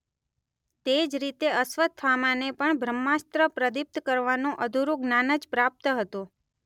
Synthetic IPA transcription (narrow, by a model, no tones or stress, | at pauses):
t̪ed͡ʒɾit̪eəsʋət̪ʰʋamãnepəɳbʱɾəmːast̪ɾəpɾəd̪ip̚t̪kəɾʋanũʔəd̪ʱuɾuɡnanəd͡ʒpɾap̚t̪ɦət̪ũ